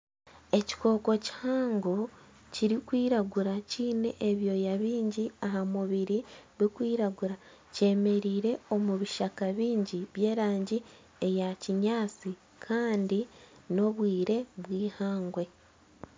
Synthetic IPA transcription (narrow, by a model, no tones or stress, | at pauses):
e̞ci̥ko̞ːko̞ci̥haːŋɡo̞ | ciɾikwiːɾaɡuɾaciːne̞ʔeβjo̞ːjaβiːɲɟiaɦamuβiɾiβikwiːɾaɡuɾa | ce̞ːme̞ɾiːɾe̞o̞muβiʃakaβiːɲɟiβje̞ːɾaːɲɟi | ejaciɲaːt͡si | kʰaːndino̞βwiːɾe̞βwiːhaːŋɡwe̞